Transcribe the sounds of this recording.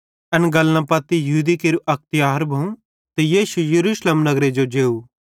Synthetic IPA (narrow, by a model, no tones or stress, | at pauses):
ɐnɡɐlnãpɐt̪ːijɐɦuːd̪ikeːɾuʔɐk̚ʰt̪ɪjaːɾbʱɐũ | t̪ejiːʃujɐɾuːʃlemnɐɡɾed͡ʒod͡ʒeːu